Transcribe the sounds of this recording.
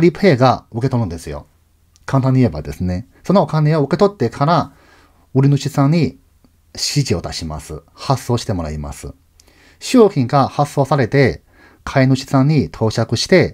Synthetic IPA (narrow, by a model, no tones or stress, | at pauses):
ɾʲipʰe̞ːɡaɯ̟ke̞t̪o̞ɾɯ̟̃nd̪e̞sɨjo̞̰ | kʰãnt̪ãɲ̟ːie̞ba̰d̪e̞sɨne̞ | so̞nookane̞oɯ̟ke̞t̪o̞t̪ːe̞kʰaɾa | ɯ̟ɾʲinɯ̟ɕisãɲ̟i | ɕiʑio̞t̪aɕima̰sɨ | hasːo̞ːɕi̥t̪e̞mo̞ɾaima̰sɨ̰ | ɕoːçʲĩŋɡahasːo̞ːsaɾe̞t̪e̞ | kʰaenɯ̟ɕi̥sãɲ̟it̪ʰo̞ːɕakɯ̟ɕi̥t̪e̞